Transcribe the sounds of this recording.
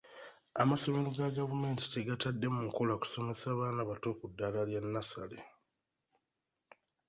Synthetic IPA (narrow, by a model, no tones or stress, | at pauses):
amaso̞meloɡaɡavume̞ːnti̥teɡatadːe̞muŋko̞laku̥so̞me̞saːβaːnaβato̞ːkudːalaljanːasa̰lḛ